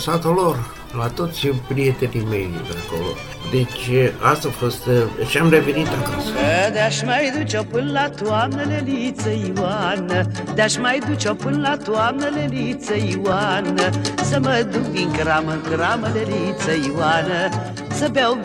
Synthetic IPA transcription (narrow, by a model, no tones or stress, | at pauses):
sat̪olor | lat̪ot̪sʲpɾiet̪enime̞̰jɨ̰ko̰lo̰ | d̪et͡ʃast̪afost̪ʃiamrevenit̪akasəd̪eaʃmajd̪ut͡ʃopɨnlat̪uamnəlelit̪t͡səjuwanəd̪aʃmajd̪ut͡ʃopɨnlat̪uamnəlelit̪t͡səjuwanəsəməd̪ukviŋkəɾaməŋkəɾaməlelit̪səjuwanə | səbaw